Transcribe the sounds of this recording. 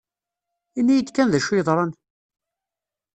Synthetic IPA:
inːijəd̪kænðæʃɪðˤɾˤɑn

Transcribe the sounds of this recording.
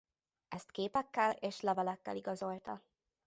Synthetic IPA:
ɛst̪keːpɛkːɛleːʃlɛvɛlɛkːɛ̰liɡɒzo̞lt̪ɒ

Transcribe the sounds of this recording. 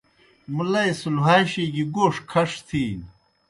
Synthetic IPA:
mulɐisuluɦaːɕiɡiɡoːʂkʰɐʂt̪ʰiː

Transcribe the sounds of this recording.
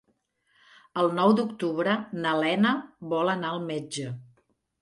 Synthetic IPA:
əlˠnɔwd̪ukt̪uβɾənəlɛnəβɔlənaəlˠmed͡ʒə

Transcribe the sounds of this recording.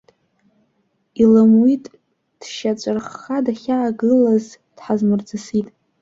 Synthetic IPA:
ilɨmwitʼ | d̥ʃat͡ʃʷʼɨrχadaχʲaːɡɨlaz | d̥ħazmɨrd͡zɨsitʼ

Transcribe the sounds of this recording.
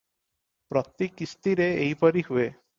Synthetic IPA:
pɾɔt̪ikist̪iɾeejpɔɾiɦue

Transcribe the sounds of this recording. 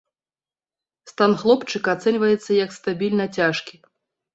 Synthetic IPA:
st̪anxlˠɔpt͡ʂɨkat̪sɛnʲvɐjɛt̪sːɐjɐkst̪abʲilʲnɐt͡sʲaʂkʲi

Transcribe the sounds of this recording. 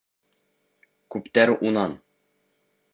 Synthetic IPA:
kʉpt̪æɾʔunɑn

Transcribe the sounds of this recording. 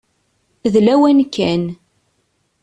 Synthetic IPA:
ðlæwænkʰːæn

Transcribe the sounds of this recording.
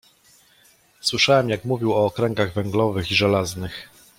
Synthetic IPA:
swɘʂawɛmjakmuvʲiwɔːkɾɛŋɡaɣvɛŋɡlɔvɘxiʐɛlaznɘx

